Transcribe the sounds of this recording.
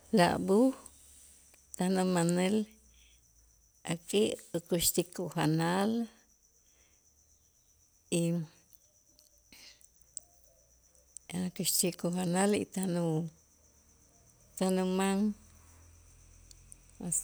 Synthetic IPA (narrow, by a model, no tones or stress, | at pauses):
la̰ʔbu | t̪ahnumanel | akʼiʔokuʃt̪ikuɦanal | i | akuʃt̪ikuɦanalḭt̪anu | t̪anumaŋ | as